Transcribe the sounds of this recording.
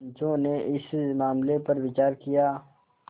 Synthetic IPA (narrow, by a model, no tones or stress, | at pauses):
d͡ʒõneʔɪsmaːmlepɐɾʋɪt͡ʃaːɾkijaː